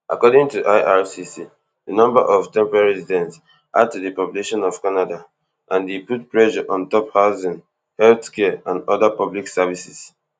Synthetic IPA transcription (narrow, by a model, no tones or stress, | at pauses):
ʔa̰kɔdĩŋtuʔaɪʔaɹsisi | dənɔ̃mba̰ʔɔvtɛ̃mpɹaɹɛsidɛ̃nts | ʔa̰d̚tuðəpɔpjuleʃɔ̃nɔv̥kanada | ʔãndeputpɹɛʃaʔɔ̃ntɔphaʊzĩn | hɛlθkɛãnɔðapɔbliksɛvisis